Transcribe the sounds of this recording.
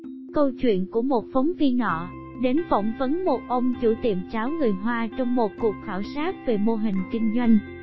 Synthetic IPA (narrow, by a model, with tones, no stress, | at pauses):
kə˧wt͡ɕwḭ˧˨ənku˧˩əmo˨˩t̚fɔ˨˦wŋ͡mvi˧nɔ̰˧˨ | ɗe˨˦nfɔ̰˧˩wŋ͡mvə˨˦nmo˨˩t̚ʔə˧wŋ͡mt͡ɕu˧˩t̪ḭ˧˨əmt͡ɕaː˨˦wŋɨ˨˩əjɦwaː˧t͡ɕɔ˧wŋ͡mmo˨˩t̚ku˨˩ək̚xaː˧˩wsaː˦˥t̚ve˨˩mo˧ɦï˨˩ŋ̟kï˧ŋ̟zwa˧jŋ̟